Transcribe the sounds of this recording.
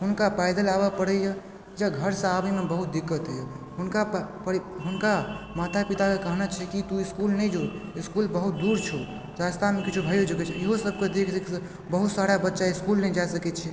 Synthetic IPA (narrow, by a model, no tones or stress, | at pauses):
ɦunkapaɪd̪əlabapəɽəjə | d͡ʒaɡʱəɾsə̃abəmebəɦut̪̚d̪ikːət̪ɦəjə | ɦunkapəɽɦunkamat̪ʰapit̪akekəɦnat͡ʃʰɛkit̪uiskulnɛjd͡ʒoiskulbəɦut̪̚d̪uɾt͡ʃʰo | d͡ʒast̪ʰanmekit͡ʃʰubʱajod͡ʒəkɛt͡ʃʰɛeɦosəb̚ʱked̪ekʰekʰs | bəɦut̪saɾabətːʃaiskulnɛd͡ʒasəkɛt͡ʃʰɛ